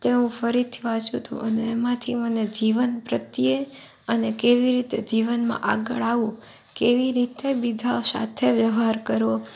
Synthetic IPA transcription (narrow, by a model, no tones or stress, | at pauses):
t̪eɦũfəɾit̪ʰiʋat͡ʃũt̪ʰṵ̃ʔəneːmãt̪ʰiməned͡ʒiʋənpɾət̪je | ənekeʋiɾit̪ed͡ʒiʋənmã̰ʔa̰ɡəɭaʋũ | keʋiɾit̪ebid͡ʒaosa̰t̪ʰeʋjəʋɦaɾkəɾo